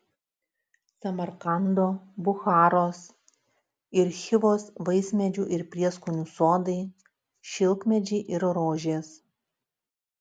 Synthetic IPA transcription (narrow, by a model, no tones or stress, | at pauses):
sɐmɐɾkɐnd̪oːbʊxɑːɾoːs | ɪɾxʲɪʋoːsʋɐɪsʲmʲɛd͡ʒʲuːʔɪɾpʲɾʲiɛskʊnʲuːsoːd̪ɐɪ | ʃʲɪlˠkmʲɛd͡ʒʲɛɪʔɪɾɾoːʒʲeːs